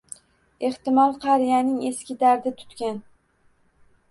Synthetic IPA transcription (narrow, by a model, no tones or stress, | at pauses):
e̞ht̪ɪmɒlˠqʰɑɾijanɪŋeskʲɪd̪aɾd̪ɪt̪ʰʊ̥t̪kʲan